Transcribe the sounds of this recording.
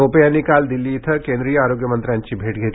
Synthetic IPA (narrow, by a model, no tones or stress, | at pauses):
oːpjanikaːld̪ɪlːit̪ʰɐkẽnd̪ɾijəaːɾoːɡjəmɐ̃nt̪ɾãːnt͡ʃibʱeːʈɡʱe